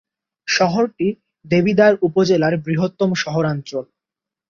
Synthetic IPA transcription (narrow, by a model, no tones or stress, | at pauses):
ʃɔɦoɾʈi | d̪ebid̪aɾupod͡ʑelaɾbɾiɦot̪ːomʃɔɦoɾantɾol